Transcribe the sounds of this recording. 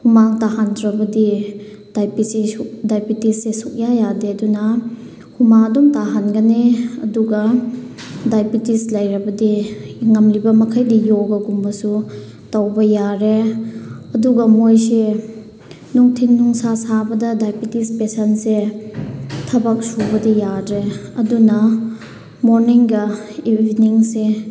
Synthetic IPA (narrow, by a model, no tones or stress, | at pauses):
humaŋtaɦandɾɐbɐdi | d̥ajpisedajpitisːesuk̚jajadeɐdunɐ | humaŋɐdɔmtaɦanɡɐneɐ̰duɡɐ | dajpitislɐjɾɐbɐdiŋɐmlibɐmɐkʰajdijoɡɐɡumbɐsu | tɐwbɐjaɾe | ɐduɡɐmojse | nuŋtʰinːuŋsasabɐdɐdajpitispesɐnse | tʰɐbɐk̚subɐdijadɾeɐdunɐ | moɾniŋɡɐibʱiniŋse